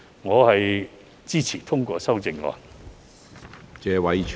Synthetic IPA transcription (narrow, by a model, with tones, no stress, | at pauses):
ŋɔː˨˧hɐ˨j | t͡siː˥t͡sʰiː˨˩t̪ʰʊ˥ŋkʷɔː˧sɐ˥wt͡sɪ˧ŋːɔ̰ː˧˩n | t͡sɛː˨˧wɐ˨˧jt͡ʃʰ